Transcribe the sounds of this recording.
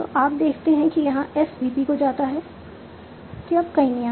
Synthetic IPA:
t̪o̰ʔaːp̚d̪eːkʰt̪eɦɛ̃kijɐɦãʔɛsbiːpikod͡ʒaːt̪aɦɛː | kiɐbkɐĩnɐjaː

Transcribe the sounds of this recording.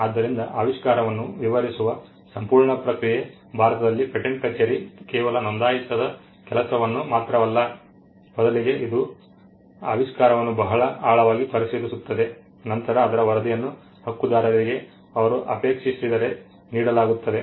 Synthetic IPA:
aːd̪ːɐɾind̪ɐʔaːʋiʂkaːɾɐʋɐnːuʋiʋɐɾisuʋɐ | sɐmpuːɾɳɐpɾɐkɾije | bʱaːɾɐt̪ɐd̪ɐlːipeʈeɳʈ̚kɐt͡ʃeːɾikɛːʋɐlɐnond̪aːjit̪ːɐd̪ɐ | kɛlɐsɐʋɐnːumaːt̪ɾɐʋɐlːɐ | mɔd̪ɐliɡe̞ʔid̪u | a̰ːʋiʂkaːɾɐʋɐnːubɐɦɐɭɐaːɭɐʋaːɡipɐɾisid̪isut̪ːɐd̪e | nɐnt̪ɐɾɐːd̪ɐɾɐʋɐɾɐd̪ijɐnːu | hɐkːud̪aːɾɐɾiɡe̞ | ɐʋɐɾuʔɐ̰peːkʂisid̪ɐɾe̞ | niːɽɐlaːɡut̪ːɐd̪e̞

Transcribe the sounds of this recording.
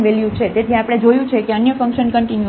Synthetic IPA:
ʋeljũt͡ʃʰet̪et̪ʰĩapɽ̃ed͡ʒojũt͡ʃʰekeənjəfəŋkʃənkəɳʈinju

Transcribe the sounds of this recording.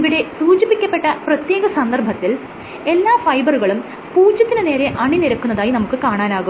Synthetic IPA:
iʋiɽe̞suːt͡ɕipikʲːɐpːe̞ʈːɐprɐt̪je̞ːɣɐsɐnd̪ɐrbʱɐt̪ːil | e̞lːaːfɐjbɐruɣɐɭum | puːd͡ʑːɐt̪ːinɨne̞ːɾe̞ʔɐɳiniɾɐkːunːɐðaːjinɐmukːɨkaːɳaːnaːɣum

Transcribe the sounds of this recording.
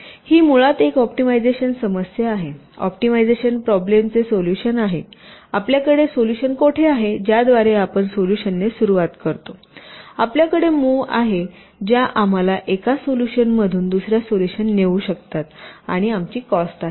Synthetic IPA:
hiːmuɭat̪ekɔpʈimajd͡zeɕənsəməsjəaɦeɔ̰pʈimajd͡zeɕənpɾɔblemt͡sesoljuɕənaɦeapljakəɽesoljuɕənkoʈʰeaɦed͡ʑjad̪ʋaɾeapəɳsoljuɕənːesuɾuʋat̪kəɾt̪o | apljakəɽemuːaɦe | d͡ʑjaʔam̤alaʔekasoljuɕənməd̪ʱuːnd̪usɾjasoljuɕənːeʋuɕəkt̪at̪a̰ɽ̃iamt͡ɕiːkɔsʈaɦe

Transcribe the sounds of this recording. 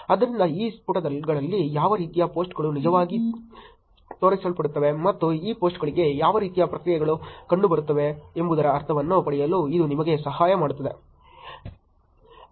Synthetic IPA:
ɐd̪ɐɾind̪ɐiːspuʈɐd̪ɐlɡɐɭɐlːijaːʋɐɾiːt̪ijapo̞ːsʈɡɐɭunid͡ʒɐʋaːɡi | t̪oːɾɐisɐlpɐɽut̪ːɐʋe̞mɐt̪ːuiːpo̞ːsʈɡɐɭiɡe̞jaːʋɐɾiːt̪ijɐpɾɐkɾijɛɡɐɭukɐɳɖubɐɾut̪ːɐʋeembud̪ɐɾɐːɾt̪ʰɐʋɐnːupɐɽɛjɐluid̪unimɐɡe̞sɐɦaːjɐmaːɽut̪ːɐd̪e̞̰

